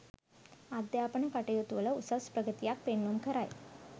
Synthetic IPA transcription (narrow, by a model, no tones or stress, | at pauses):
ad̪ːəapəɳepaʈəjot̪uʋələusəʋspɾəɡət̪ijak̚penlomkəɾaj